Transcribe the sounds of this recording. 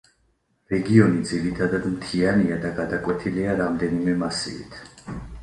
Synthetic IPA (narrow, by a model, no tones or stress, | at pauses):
ɾɛɡiɔnid̪ziɾit̪ʰad̪ad̪mt̪ʰianiad̪aɡad̪akʼwɛt̪ʰiliaɾamd̪ɛnimɛmasḭḭt̪ʰ